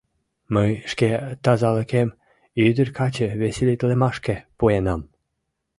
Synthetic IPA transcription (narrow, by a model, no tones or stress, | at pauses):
məjʃket̪ɑzɑlə̆kem | yd̪ərkɑt͡ɕə̆βeselʲit̪lemɑʃkepuenɑm